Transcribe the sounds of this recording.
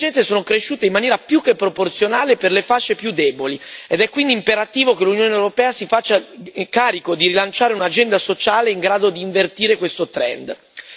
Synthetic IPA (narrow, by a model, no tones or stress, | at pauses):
ɛnsesoːnokɾeʃːuːt̪eimːanjɛːɾapjukːepːɾoport̪sjonaːleperlefaʃːepjud̪ːɛːbolied̪ɛkːwind̪impeɾat̪iːvokelunjoːneewɾopɛːasifat͡ʃːakaːɾikod̪iɾilant͡ʃaːɾeunad͡ʒɛnd̪asot͡ʃaːleiŋɡɾaːd̪od̪iːɱvert̪iːɾekwest̪ot̪ɾɛ̰nd̪